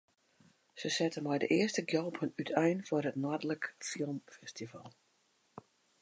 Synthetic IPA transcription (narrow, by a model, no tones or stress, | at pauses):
səsɛtəmɛjdəʔɪəstəɡjɔlˠpʰənytʰɛjnfʊrətnɔdələkfilˠmfɛstivalˠ